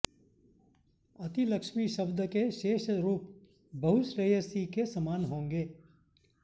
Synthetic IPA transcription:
ɐt̪iləkʃmiʃɐbd̪ʱəkeʃeːʃɾuːp | bʱɐɦʊsɾejəsikesɐmaːnɦõːŋɡeː

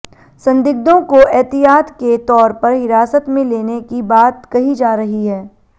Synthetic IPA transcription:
sɐ̃nd̪ɪɡ̚d̪õkoʔɛːt̪ɪjaːt̪ket̪ɔːɾpɐɾɦɪɾaːsət̪mẽleːnekibaːt̪kɐɦid͡ʒaːɾɐɦiɦɛː

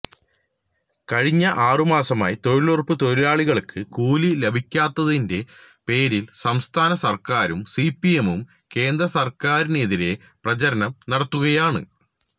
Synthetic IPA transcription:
kɐɻiɲːɐʔaːrumaːsɐmaːjit̪o̞ɻiɭurpːɨt̪o̞ɾilaːɭiɣɐɭkʰːɨkuːlilebʱikʲːaːt̪ːɐðinde̞ | pe̞ːɾilsɐmst̪ʰaːnɐsɐrkaːɾumsipːie̞mum | ke̞ːnd̪rɐsɐrkaːɾineðiɾe̞ | prɐt͡ɕɐɾɐnɐmnɐɽɐt̪ːuɣɐjaːɳɨ̰

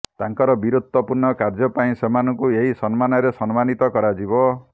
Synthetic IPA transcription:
t̪aŋkɔɾɔbiɾud̪ʱwɔpuɾnɔkaɾd͡ʒɔpaĩsemanɔŋkueɦisɔnmanɔɾesɔnmanit̪ɔkɔɾad͡ʒibɔ

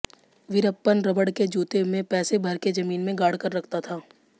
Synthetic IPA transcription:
ʋɪɾəpːənɾɐbəɽked͡ʒuːt̪emẽpɛːsebʱɐɾked͡ʒɐmiːnmẽɡaːɽkəɾːɐkʰt̪at̪ʰaː

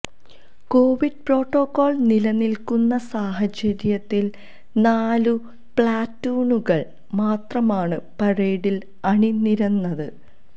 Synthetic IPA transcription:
ko̞ːʋiɖ̚pro̞ːʈːo̞ːkːo̞ːɭnilɐnilkunːɐsaːɦɐt͡ɕɐɾjɐt̪ːil | naːlu | pɭaːtːuːnuɣɐɭ | maːt̪rɐmaːɳɨpɐɻeːɽil | ɐɳiniɾɐnːɐðɨ

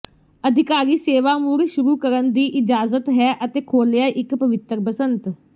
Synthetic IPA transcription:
əd̪ʱɪkaːɾiːseːʋaːmuɾʃʊɾuːkəɾənd̪iːʔɪd͡ʒaːzət̪ɦɛːʔət̪eːkʰoːljaːʔɪkpəʋɪt̪ɾpəsənt̪

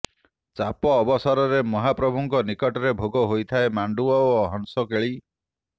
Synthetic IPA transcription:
t͡ʃapɔːbɔsɔɾɔɾemɔɦapɾɔbʱuŋkɔnikɔʈɔɾebʱoɡɔɦojt̪ʰaemaɳɖuɔoɦɔnsɔkeɭi

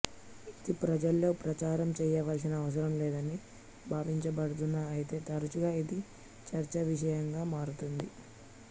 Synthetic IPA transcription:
id̪ipɾɐd͡ʒɐlːo̞ːpɾɐt͡ʃaːɾɐmt͡ʃɛːjɐʋaːɾs̬inɐːʋɐs̬ɐɾɐmleːd̪ɐni | bʱaːʋiɲt͡ʃɐbɐɽut̪̬unːaɐjit̪e̞ːt̪ɐɾɐt͡ʃuɡaːid̪i | t͡ʃɐɾt͡ʃɐʋiʃɐjɐŋɡaːmaːɾut̪und̪i

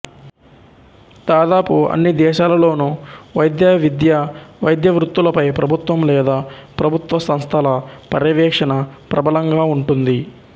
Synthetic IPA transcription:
d̪aːd̪aːpuɐ̰nːid̪ɛːʃaːlɐlo̞ːnuʋɐjd̪jaːʋid̪jɐʋɐjd̪jɐʋɾut̪ːulɐpɐjpɾɐbʱut̪ʋɐmlɛːd̪aːpɾɐbʱut̪ʋɐsɐmst̪ʰɐlɐpɐɾɐʋɛːkʂɐnɐpɾʔɐbɐlɐŋɡaːuɳʈund̪i

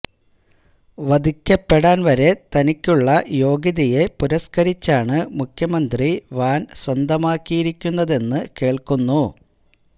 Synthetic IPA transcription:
ʋɐd̪ʱikʲːɐpːe̞ɽaːnʋɐɾe̞t̪ɐnikʲːuɭːɐjo̞ːɡiðije̞puɾɐskɐɾit͡ɕːaːɳɨmukʰjɐmɐnd̪riʋaːnswɐnd̪ɐmaːkːijiɾikʲːunːɐðe̞nːɨke̞ːɭkunːu

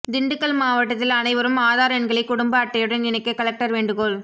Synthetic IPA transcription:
d̪ɪɳɖɯkːɐɭmaːʋɐʈːɐt̪ːɪlɐnɐɪʋɐɾɯmaːðaːɾɐnɡɐɭɐɪkːʊɽʊmbɐːʈːɐjɯɽɐnɪnɐɪkːɯkɐlɐk̚ʈɐɾʋeːɳɖɯɣoːɭ

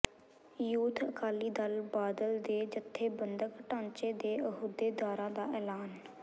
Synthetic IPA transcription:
juːt̪ʰəkʰaːliːd̪əlbaːd̪əld̪eːd͡ʒət̪ʰːeːbənd̪əkʈãːnt͡ʃeːd̪eːəɦuːd̪eːd̪aːɾãːd̪aːʔɛːlaːn

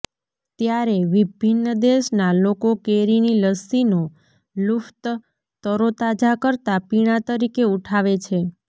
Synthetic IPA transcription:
t̪jaɾeʋibʱinːəd̪eʃnalokokeɾiniləsino | luft̪ | t̪əɾot̪ad͡ʒakəɾt̪apiɽ̃ãt̪əɾikeuʈʰaʋet͡ʃʰe

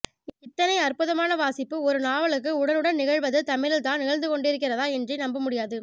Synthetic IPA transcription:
ɪt̪ːɐnɐɪɐrpɯðɐmaːnɐʋaːsɪpːɯɔɾɯnaːʋɐɭɯk̬ːɯʊɽɐlɯɽɐnnɪɣɐɻʋɐðɯt̪ɐmɪlɪlt̪ãːnɪɣɐɻnd̪ɯkɔɳɖɪɾɯk̬ːɪrɐðaːɛndrɛnɐmbɐmʊɽɪjaːðɯ

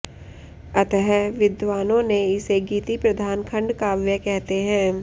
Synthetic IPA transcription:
ɐt̪əɦɛʋɪd̪ʋaːnõneɪseɡiːt̪ipɾɐd̪ʱaːnkʰə̃ɳɖkaːʋjəkɛɦt̪eɦɛ̃ː

